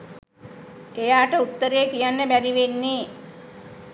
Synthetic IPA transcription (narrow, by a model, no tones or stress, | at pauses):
ejaːʈəut̪ːəɾejəkijanːəbæɾiʋenːeː